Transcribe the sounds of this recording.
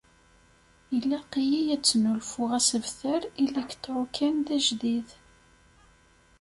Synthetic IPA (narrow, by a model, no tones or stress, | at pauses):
əlːæqijijæt͡sːnulfʊʁæsəvθəɾilːækːθʕʊkʰːæmðæʒðið